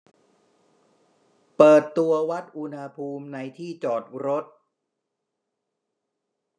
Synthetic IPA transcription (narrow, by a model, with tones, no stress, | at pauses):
pɤː˨˩t̪ːu˧ɐwa˦˥t̪̚ʔu˧nha˧pʰuː˧mna˧jt̪ʰiː˥˩t͡ɕɔː˨˩t̪̚ɾo˦˥t̪̚